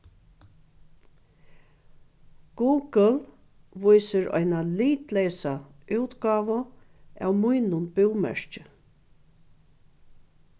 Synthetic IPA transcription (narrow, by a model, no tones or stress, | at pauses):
ɡ̥uːɡəl | ʋʊjsɪɾɔ̰jnaliːt̪lɛjsaʉwt̪ɡɑːʋʊ | æ̰wmʊjnʊnbɪwmɛ̰ɹ̥t͡ʃɪ